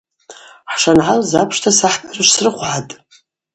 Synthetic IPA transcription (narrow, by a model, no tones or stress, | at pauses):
ħʂanʕalzapʰʂtʰasaħpʼʰarɨʃʷsrɨχʷʕatʼ